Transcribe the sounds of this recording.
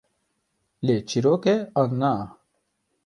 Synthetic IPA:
let͡ʃiɾokeana

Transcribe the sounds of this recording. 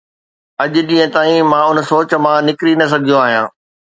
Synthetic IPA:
ɐʄʊ̆ʄĩːɦə̃t̪aːĩmãːʊnsoːt͡ɕ̆mãnɪkɾinɐs̬ɐɡʱijõaːɦijã̰ː

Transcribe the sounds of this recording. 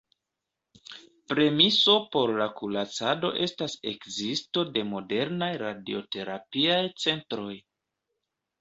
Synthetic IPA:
pɾe̞miso̞po̞ɾlakulat͡sado̞̰ʔe̞stase̞kzisto̞de̞mo̞de̞ɾnajɾadio̞te̞ɾapiajt͡se̞ntɾo̞j

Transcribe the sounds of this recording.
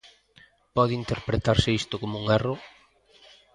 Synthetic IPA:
pɔðɪint̪eɾpɾet̪aɾsɪist̪okomuŋero

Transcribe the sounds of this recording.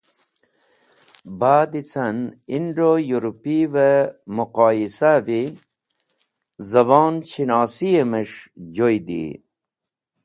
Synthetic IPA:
baːd̪it͡sɐniɳɖojuɾupivemuqɑːjisavi | zɐbɑːnt͡ɕinɑːsijemeʂd͡ʑojd̪ḭ

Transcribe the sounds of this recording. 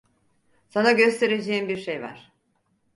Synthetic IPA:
sanaɟø̞st̪ʰe̞ɾed͡ʒeːimbiɾʃejva̰ɾ̥

